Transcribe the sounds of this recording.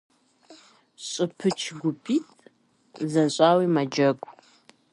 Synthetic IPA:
ɕʼɨpʰɨt͡ʃʰɡʷʊpʰitʰʼ | zɐɕʼaːwiːmɐd͡ʒɐɡʷʼ

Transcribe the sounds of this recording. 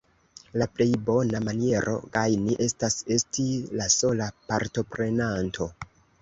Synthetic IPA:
laple̞jbo̞namanie̞ɾʔo̞̰ɡajniʔe̞stase̞stilaso̞lapaɾto̞pɾe̞nantʰo̞

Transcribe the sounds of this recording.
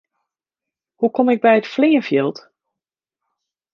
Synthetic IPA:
hukʰomɪk̚bɛjətflɪːənfjɪlˠt

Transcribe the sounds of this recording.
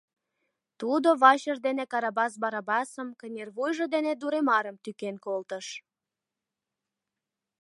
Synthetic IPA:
t̪ud̪oβɑɕərd̪enekɑɾɑbɑs̬bɑɾɑbɑsəmkənʲerβujʒə̆d̪ened̪uɾemɑɾəmt̪ykenkolt̪əʃ

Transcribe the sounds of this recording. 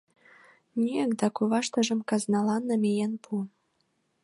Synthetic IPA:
nʲiəkd̪ɑkuβɑʃt̪ə̆ʒə̆mkɑznɑlɑnːə̆mʲejenpʰun

